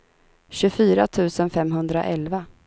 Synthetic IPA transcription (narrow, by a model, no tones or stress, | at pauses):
ɕɵfyːɾat̪ʰʉ̟ːsənfɛmɦɵnd̪ɾa̰ʔɛlva